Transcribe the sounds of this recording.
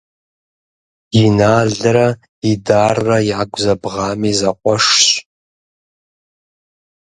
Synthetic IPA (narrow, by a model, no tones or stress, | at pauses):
inaːɮɨɾa | idarːajaɡʷzabʁaːmizaqʷʼɔʂɕ